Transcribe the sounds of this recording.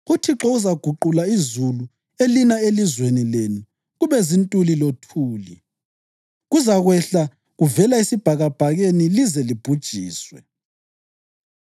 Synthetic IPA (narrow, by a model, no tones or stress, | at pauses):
ɣutʰiǁɔuzaɡ̥ʱuǃulaizulu | elinaelizwenilenu | ɣuβɛzintʼulilotʰuːli | ɣuzaɣwɛɬa | ɣuvɛlaesib̥ʱaɣab̥ʱaɣenilizɛlib̥ʱud̥ʒ̥ʱiːswɛ̰